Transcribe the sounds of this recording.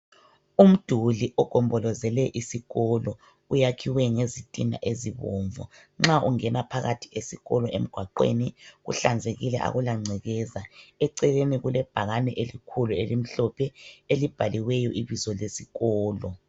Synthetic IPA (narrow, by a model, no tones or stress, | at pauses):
um̩d̥ʱuliʔɔɡ̥ʱɔmbɔlɔzɛlɛʔisiɣɔlɔ | ujakʰiwɛŋezitʼina̰ʔeziβoːɱvɔ̰ | ŋ͡ǁaʔuŋɛnapʰaɣatʰi̥esiɣɔlɔḛm̩ɡ̥ʱwaǃḛniɣṵɬand͡zʱeɣilɛ̰ʔa̰ɣulaŋ͡ǀʱɛɣɛzaɛǀɛleniɣulɛb̥ʱaɣanɛʔelikʰuluelim̩ɬɔpʰɛelib̥ʱaliwɛjɔʔiβizɔlesiɣɔːlɔ